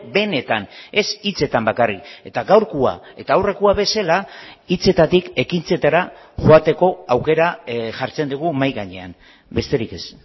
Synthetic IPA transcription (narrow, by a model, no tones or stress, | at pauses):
be̞ne̞t̪ane̞sit͡se̞t̪ambakarike̞t̪aɣawɾkua̰e̞t̪aːwre̞kuaβe̞salait͡se̞t̪at̪ike̞kint͡se̞t̪aɾaʝoat̪e̞ko̞awke̞ɾaʝaɾt͡se̞nd̪uɣ̞umajɣaɲe̞an | be̞st̪e̞ɾike̞s